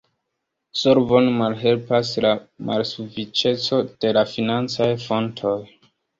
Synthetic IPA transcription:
soɾvo̞nmalɦe̞lpaslama̰lsufit͡ʃe̞t͡so̞d̥e̞lafinant͡sajfo̞ntʰo̞j

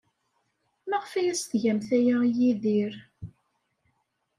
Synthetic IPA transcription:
mæʁəfæjæsθʝæmθæjæjiðiɾ

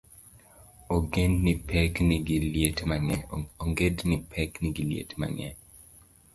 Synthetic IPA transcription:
oɡenːipʰɛkniɡiljetmaŋɛoŋɡednipʰɛkniɡiljḛtma̰ŋɛ̰

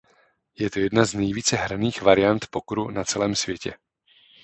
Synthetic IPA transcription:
jɛt̪ojɛdnaznɛjviːt͡sɛɦɾaniːxvaɾɪjant̪pokɾunat͡sɛlɛːmsvjɛcɛ̰

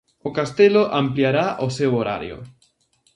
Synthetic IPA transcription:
okast̪eloʔampljaɾaʔosewoɾa̰ɾjo̰

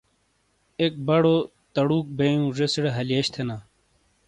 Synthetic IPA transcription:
ek̚bɐɽo | t̪ɐɽuːk̚bejũʐesiɽeɦɐliɐɕt̪ʰenaː

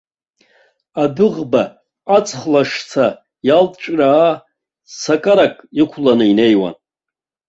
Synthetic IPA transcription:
adɨʁba | at͡sʼχlaʂt͡sʰa | jalʼʈ͡ʂʼraː | sakʼaɾakʼikʷʰlanɨine̞jwa̰n

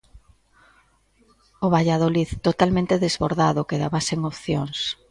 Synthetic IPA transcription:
oβaʎað̞oliðt̪ot̪almẽnt̪eðezβoɾðaðokeðaβaseŋopθjoŋs

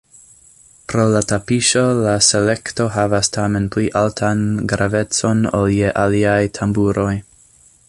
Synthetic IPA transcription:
pɾo̞latapiʃo̞laselekto̞ɦavastʰamenpliʔaltʰanɡɾavet͡so̞no̰ljeʔaliajtʰambuɾo̞j

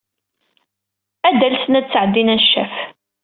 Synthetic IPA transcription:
æd̪ælθnæd̪t͡sːʕəd̪ːinænʃːæf

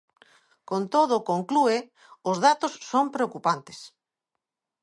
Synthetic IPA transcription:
kont̪oð̞ʊkoŋklue | ʊzð̞at̪ʊsːompɾeokupant̪e̥s

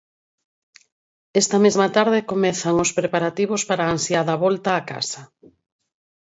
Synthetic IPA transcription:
ɛst̪ɐmezmat̪aɾðekomɛθaŋospɾepaɾat̪iβospaɾaːnsjaðɐβɔlt̪aːka̰sɐ

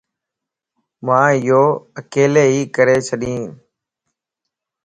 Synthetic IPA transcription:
mãːɪjoːəkeːleːɦiːkəɾeːt͡ʃʰəɗĩː

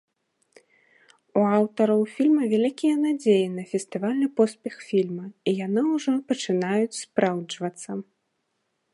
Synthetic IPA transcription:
uawt̪ɐɾɐwfʲilʲmɐvʲalʲikʲijɐnad͡zʲejinɐfʲɛst̪ɨvalʲnɨpɔspʲɛxfʲilʲmɐijanɨuʐɔpɐt͡ʂɨnajut͡sʲspɾawd͡ʐvɐt̪sːɐ

